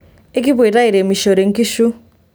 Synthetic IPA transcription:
e˦k̬i˦βɾa˦i˨ɾe˨mi˨ʃo˨ɾe˨ŋ̩˦ki˦ʃu˦

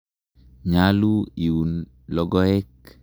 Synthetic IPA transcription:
ɲalu˦i˨wu˨n | lɔ˦ɡɔ˦ɛ˦k̚

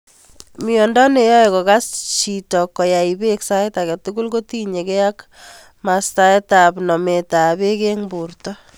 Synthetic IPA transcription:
mijɔ˨ndɔ˦ne˨jɔ˦e˨kɔ˨ka˦st͡ʃi˨tɔ˨kːɔ˨ja˨i˨be˦ksa˦eta˨kɛ˨tu˦ɡu˦lko˦ti˦ɲe˨kɛ˦ja˦k | ma˨sta˨ɛ˦ta˨pnɔ˨me˨ta˨be˦ke˦ŋbu˨rtɔ˦

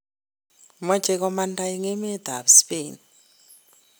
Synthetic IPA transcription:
mḁ˦d͡ʒʱʼɛ˨kɔ˦manda˦i˦ŋɛ˦mɛ˦d̪ʱa˨βu˨si̥peː˦ni

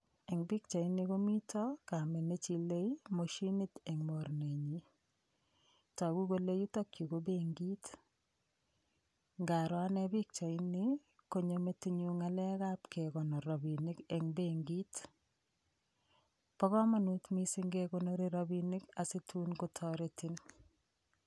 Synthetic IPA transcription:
ɛ˨ŋbi˦k̚t͡ʃa˨i˦nɪ˦ko˦mi˦tʰɔ˦ka˨me˨ne˦t͡ʃi˦le˦imo˨ʃi˦nɪ˦tɛ˨ŋmo˨ɾne˨ɲi | ta˨ɡu˦ko˦le˦ju˦to˦kju˨ko˦beŋɡi˦t | ŋɡa˨ɾwa˦nɛ˦bi˦k̚t͡ʃa˨ɪnɪ˦ | ko˨ɲome˦tiɲuŋa˦lɛ˦ka˦pke˨kɔ˨nɔ˨ɾɔ˨bi˨nɪ˦kɛ˨ŋbeŋɡit | pɔ˦kɔ˦ma˦nu˦tmi˦sɪ˦ŋɡekono˦ɾi˦ɾobinɪ˦ka˨si˦tʰu˦nko˦tʰɔɾeti˦n

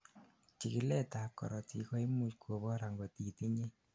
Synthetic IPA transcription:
t͡ʃi˨ki˦lɛ˦ta˨kːɔ̰˨ɾɔ˨ti˨kɔ˦i˦mu˨t͡ʃkʰwo˨bɔ˦ɾa˨ŋɡɔ˨ti˨ti˦ɲe˦

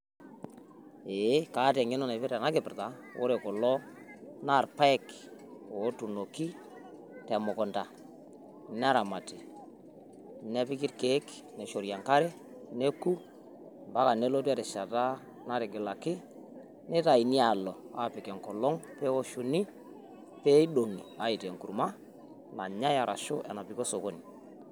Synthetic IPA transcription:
e˨˦kaː˨˦tɛ˨ŋɪ˦nɔ˦˨nɛ˨pɪ˦ɾa˨na˦kɪ˨pɪ˨ɾta˨˦ | o̰˦ɾɛ˨kɔ˨lɔ˦ | na˦˨rpa˦ɛ˦k | o˨˦tu˨no˨ki˦ | tɛ˨mɔ˨kɔ˨nda˨ | n˦a˦ɾa˨ma˨tɪ˨ | nɛ˦pɪ˦kɪ˦ɾke˦k | nɛ˨ʃo˨ɾja˨ŋka˦ɾɛ˦ | ne˦ku˦ | mba˦ka˨ne˦lo˦tu˦a˦tɛ˨ʃa˨ta˦ | na˦ɾɪ˨ɡɪ˨la˨kɪ˦ | nɛ˦ta˨i˨ni˦a˨lɔ˨a̰˦˨pɪ˨kɛ˨ŋkɔ˨lɔ˦ŋpɛ˦o˦ʃu˨ni˦ | pɛ˦i˦ɗo˨ŋi˨a˨˦i˨tɛ˨ŋku˨ɾma˦ | na˨ɲa˦ja˨ɾʔa̰˨ʃo˦ʔɛ˨na˨pi˨ko˦so˨ko˦ni˨

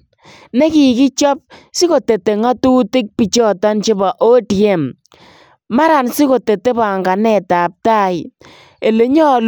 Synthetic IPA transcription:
ne˦ki˨ki˦t͡ʃɔ˦p̚siɪ˦ko˨te˨te˨ŋa˦tu˦tɪ˦k̚pi˨t͡ʃɔ˦tɔ˦nt͡ʃi˦ba˨ʔo˦tje˦˨m | ma˦ɾa˨nsi˦ko˨te˨te˦ba˨ŋɡa˨nɛ˨ta˨p̚ta˦˨j | e˨le˨ɲɔ˦˨l

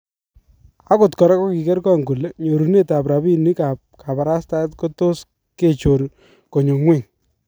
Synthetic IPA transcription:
a˦kʊ˨tkɔ˨ɾa˦ko˦ki˨kɛ˦ɾkɔ˦˨ŋɡu˨le˦ɲo˨ɾu˨ne˦ta˨p̬ɾa˨bi˦ni˦ka˨p̚ka˨pa˨ɾa˦sta˦tko˦to˦s | ke˦˨t͡ʃo˨ɾ | ko˨ɲo˨ŋwe˦˨ŋ

